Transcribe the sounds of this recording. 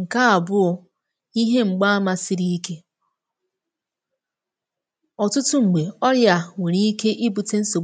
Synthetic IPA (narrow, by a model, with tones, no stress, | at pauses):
ŋ̩˨ka˦a˨bʊ˦ | i˦ɦe˦ŋ͡m̩˨ɡ͡ba˦a˦ma˨si˨ɾi˦ke˦ | ɔ˨tʊ˦tʊ˦ŋ͡m̩˨ɡ͡be˨ɔ˦ɾja˨ŋe˨ɾi˦ke˦ʔi˦bu˨te˦n̩˦so˨